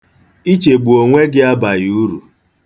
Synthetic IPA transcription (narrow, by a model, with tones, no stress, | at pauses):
i˦t͡ʃe˨ɡ͡bu˨o˨ŋʷe˦ɡɪ˦a˦ba˨ju˦ɾu˨